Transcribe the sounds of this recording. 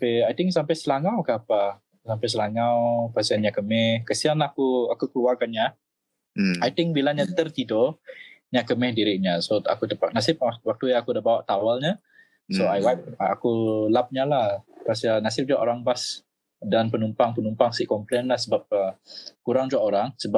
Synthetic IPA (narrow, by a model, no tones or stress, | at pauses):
ampɛajt̪ɪŋksampajsəlaŋawkaapa | sampajs̬əlaŋawpasianɲaʔkəmɛhkəsianlaakuakukəluakanɲa | ajt̪ɪ̃ŋk̚bilaɲat̪ərt̪idoɲaʔkəmɛhdiɾɪʔɲasoa̰kut̪əpak̚nasɪp̚wak̚t̪ujaakudahbawaʔt̪awalɲa | soajwajp̚a̰kulap̚ɲalahpasianasɪp̚d͡ʒuaʔoɾaŋbas | danpənumpaŋpənumpaŋsiʔkɔmplenlahsəbap̚əkuɾaŋd͡ʒuaʔoɾaŋsəbap̚